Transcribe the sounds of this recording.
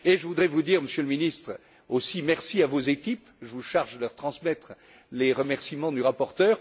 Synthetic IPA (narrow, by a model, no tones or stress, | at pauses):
eʒəvud̪ʁɛvud̪iʁməsjøləminist̪χ | osimɛʁsiavozekʲip | ʒəvuʃaʁʒd̪əlœʁt̪χɑ̃smɛt̪χ | leʁəmɛʁsimɑ̃d̪yʁapɔʁt̪œːʁ